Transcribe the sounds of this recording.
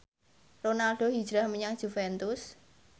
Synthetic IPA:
ronalɖ̥o̤ɦi̥ʒ̥ɾahməɲaŋd̥ʒ̥ufɛnt̪ʊs

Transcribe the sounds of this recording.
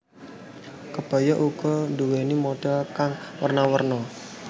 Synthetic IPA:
kəb̥a̤jɔʔuɡ̥ɔnduwenimoɖ̥akaŋwərnawərnɔ

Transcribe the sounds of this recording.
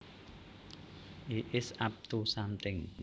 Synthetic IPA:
ʔiʔɪsap̚t̪usamt̪ɪŋ

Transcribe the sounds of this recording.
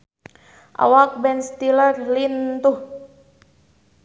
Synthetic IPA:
ʔa̰wak̚bɛnst̪ilərlint̪uh

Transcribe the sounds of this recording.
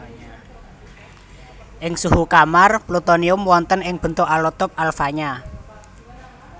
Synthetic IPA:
ʔɪŋsuhukamarplut̪oniʊmwɔnt̪ənɪŋb̥ə̤nt̪ʊʔalɔt̪ʊp̚alfaɲa

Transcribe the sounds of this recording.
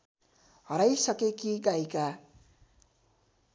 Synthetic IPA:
ɦʌɾajsʌkekiɡajka

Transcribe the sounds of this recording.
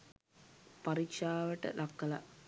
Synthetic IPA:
paɾikʂaːʋəʈə̰lʔakːəla̰

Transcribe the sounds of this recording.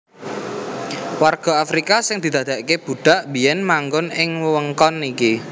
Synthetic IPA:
warɡ̥a̤afɾikasɪŋd̪̥i̤d̪a̤d̪̥a̤ʔkeb̥ṳɖ̥a̤ʔbi̤jɛnmaŋɡʊnɪŋwəwəŋkɔniki

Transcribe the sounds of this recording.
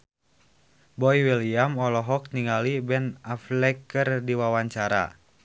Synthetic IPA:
bɔiwiliamɔlɔɦɔk̚niŋalibɛnaflɛkərdiwawaɲt͡ʃaɾa̰

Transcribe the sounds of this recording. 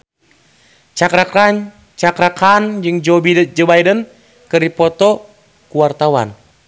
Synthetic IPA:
t͡ʃakɾakaɲ | t͡ʃakɾakand͡ʒɨŋd͡ʒɔbidd͡ʒɔbajdən | kɨripɔt̪ɔ | kuwart̪awa̰n

